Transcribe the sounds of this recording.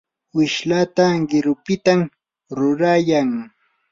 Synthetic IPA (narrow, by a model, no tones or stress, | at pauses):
wɪʃlat̪aɢɪɾʊpɪt̪am | ɾʊɾajaŋ